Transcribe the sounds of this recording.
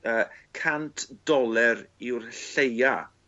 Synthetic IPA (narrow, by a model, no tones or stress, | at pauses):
əːkʰantʰd̥ɔlˠɛɾɪwrɬeja